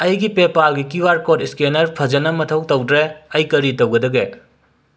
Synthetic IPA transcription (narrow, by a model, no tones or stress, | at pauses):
ɐjɡipepalɡikiwaɾkotiskenɐɾpʰɐd͡ʒɐnɐmɐtʰɐw̚tɐwdɾeɐjkɐɾitɐwɡɐdɐɡe